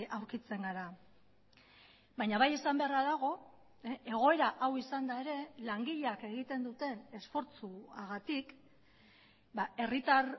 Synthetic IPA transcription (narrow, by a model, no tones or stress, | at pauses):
ʔawɾkit͡se̞ŋɡaɾa | bajɲaβaje̞sambe̞araðaɣ̞o̞ | e̞ɣ̞o̞e̞ɾaʔawisand̪ae̞ɾe̞laŋɡiʎeake̞ɣit̪e̞nd̪ut̪e̞ne̞sfo̞ɾt͡suaɣat̪ik | bae̞rit̪ar